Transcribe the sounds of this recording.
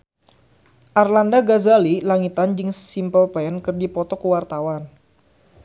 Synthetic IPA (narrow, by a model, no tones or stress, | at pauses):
ʔarlandaɡazalilaŋit̪and͡ʒɨŋsimpəlplaənkɨrdipɔt̪ɔkəwart̪awan